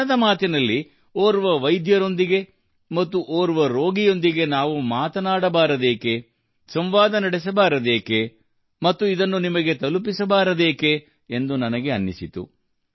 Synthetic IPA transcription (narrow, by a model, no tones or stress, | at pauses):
ɐd̪ɐmaːt̪inɐlːi | oːɾuʋɐʋɐjd̪jɐɾo̞nd̪iɡe̞ | mɐt̪ːuʔoːɾuʋɐɾo̞ːɡijo̞nd̪iɡe̞naːʋumaːt̪ɐnaːɽɐbaːɾɐd̪eːke̞ | sɐmʋaːd̪ɐnɐɽes̬ɐbaːɾɐd̪eːke̞ | mɐt̪ːuid̪ɐnːunimɐɡe̞t̪ɐlup̬isɐbaːɾɐd̪eːke̞ː | nd̪unɐnɐɡe̞ɐnːisit̪ṵ